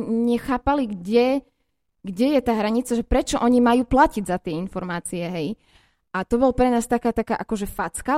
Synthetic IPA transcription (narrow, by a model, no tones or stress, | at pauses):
ɲɛxaːpaliɡɟɛ | ɡɟɛjɛt̪aːɦɾaɲit͡saʒɛpɾɛt͡ʃɔʔɔɲimajuːplaciɟzat̪ɪɛinfɔɾmaːt͡siɛɦɛj | at̪ɔbɔlpɾɛnaːst̪akaːt̪akaːʔakɔʒɛfat͡ska